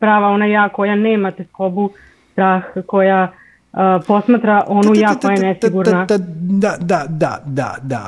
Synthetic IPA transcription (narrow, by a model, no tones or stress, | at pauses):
pɾaːʋao̞najaːko̞janeːmat̪esko̞bu | st̪ɾaːxko̞ja | po̞smaːt̪ɾaʔo̞nujaːkojajenesiɡuɾnaad̪ad̪a̰d̪a̰d̪a̰